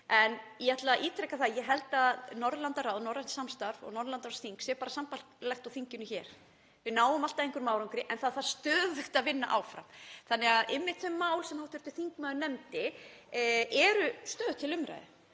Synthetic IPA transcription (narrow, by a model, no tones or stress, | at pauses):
ɛniat̪laʔiːt̪ʰɾɛhkaθaðjɛɦɛlt̪anɔɾðlant̪arawðnɔɾant̪samst̪aɾvɔ̰ɣnɔɾðlant̪aɾsθiŋksɛpaːɾasampalklɛxt̪awθiɲcɪnʏçɛːɾ̥ | vɪnaːwʏmalt̪aðejŋkʏɾmaːwɾaŋkʏɾɪʔɛnθaðθaðst̪œːðʏxt̪aðvɪnːa̰ʔaːwfɾa̰mθanːɛɣaðɪmːɪt̪fœmːaːwlsɛmhawht̪ʰʏɾ̥t̪ʏ̥θiŋkmaðʏnɛmt̪ɪ | ʔɛɾʏst̪œːðt̪ʰɪlʏmɾa̰jðɪ̰